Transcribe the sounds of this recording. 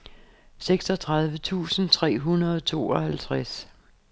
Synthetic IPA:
seɡ̥sɒt͡sʰʁɑð̞ˠʋət͡sʰṵːsn̩t͡sʰʁɛ̰ːɦunɐðˠɒt͡sʰo̝̰ːɒ̽hælt͡sʰʁas

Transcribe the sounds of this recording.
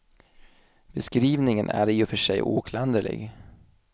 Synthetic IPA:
b̥ɛskɾiːvnɪŋənʔæ̰ɾiːʊfœʂɛjʔuːkʰland̪əɭɪ̰ɡ

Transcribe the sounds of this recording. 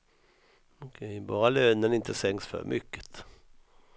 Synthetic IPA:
okʰɛɪbɑːʁəløːnənɪnt̪əsɛŋsfœ̰ɾmʔʏkːət̪

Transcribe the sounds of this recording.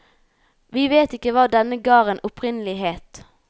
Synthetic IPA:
ʋiːʋeːt̪ɪkːəʋɑːd̪ɛnəɡɑːʁənʔʊpʰʁɪnəlɪɦeːt̪

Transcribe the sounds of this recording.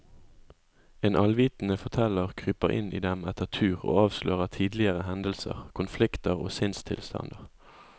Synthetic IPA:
eːnʔɑlʋiːt̪n̩əfɔʁt̪ʰɛləʁkʰʁyːpəʁɪ̰nʔḭːd̪ɛmɛt̪əʁt̪ʰʉːʁo̰ːɑːʋsløːʁəʁt̪ʰiːd̪lɪəʁəɦɛnd̪əlsə̰ʁkʰʊnflɪkt̪əʁo̰ːsɪnst̪ʰɪlst̪ɑ̰nd̪əʁ

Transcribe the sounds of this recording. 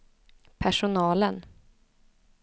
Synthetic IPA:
pʰæʂʊnɑːlən

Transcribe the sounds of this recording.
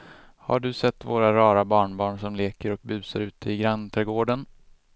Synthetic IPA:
ha̰ɖɵsɛt̪ːvoːɾaɾɑːɾabɑːɳbɑːɳsɔmleːkəɾɔk̚bʉ̟ːsaɾʉ̟ːt̪ʰəɪɡɾant̪ʰɾɛɡoːɖən

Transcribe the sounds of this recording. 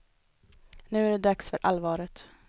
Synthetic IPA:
nʉ̟ːæɖɛd̪aksfœɾʔalvɑːɾət̪

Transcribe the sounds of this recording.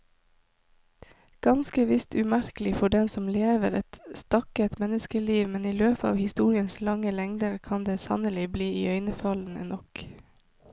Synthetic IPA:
ɡ̥ɑnskəʋɪst̪ʰʉmæɾkəlɪfɔɖɛnsɔmleːʋəɾɛt̪st̪ɑkət̪mɛnəskəliːʋmɛniːløːpəɑ̰ːʋhɪst̪uːɾɪənslɑŋəlɛŋd̪əɾkʰɑnd̪eːsɑ̰nəlɪbliːḭːœʏnəfɑln̩ə̰nʔɔk

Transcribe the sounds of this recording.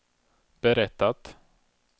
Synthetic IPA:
b̥ɛɾɛt̪ːat̪

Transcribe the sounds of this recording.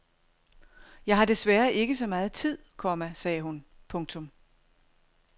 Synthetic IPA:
jɑ̈ɪɦɑ̈d̥e̝sʋæːɐʔe̝ɡ̥əsɒ̽mɑ̈ːð̞̩ˠt͡sʰið̞̰ˠkʰɒ̽mæsɛːɦun | pʰɔ̽ŋt͡sʰɔ̽m

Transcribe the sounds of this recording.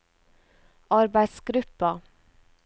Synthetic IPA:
ɑɾbæɪd̪sɡɾʉpːɑ

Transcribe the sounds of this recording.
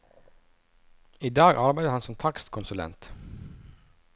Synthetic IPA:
iːd̪ɑːɡʔɑɾbæɪd̪əhɑnsɔmt̪ʰɑkst̪kʰʊnsʉlɛ̰nt̪

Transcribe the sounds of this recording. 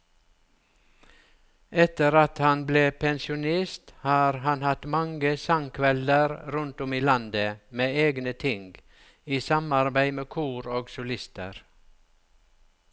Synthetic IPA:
ɛt̪əɾɑt̪hɑnbleːpʰɛnsʊnɪst̪hɑːɾhɑnhɑt̪mɑŋɡəsɑŋkʰʋɛld̪əɾɾʉnt̪ɔmiːlɑnd̪əmeːeːɡnət̪ʰɪŋɡ | iːsɑmɑɾbæɪmeːkʰuːɾoːɡsʊlɪst̪ə̰ɾ

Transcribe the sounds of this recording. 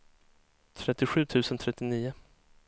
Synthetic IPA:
t̪ʰɾɛt̪ːɪɧʉ̟ːt̪ʰʉ̟ːsənt̪ʰɾɛt̪ːɪniːʊ

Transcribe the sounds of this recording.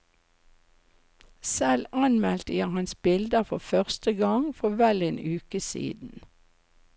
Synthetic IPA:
sɛlɑnmɛlt̪əjæhɑnsbɪld̪əfɔfœʁst̪əɡɑŋfɔʋæleːnʉːkəsḭːd̪n̩

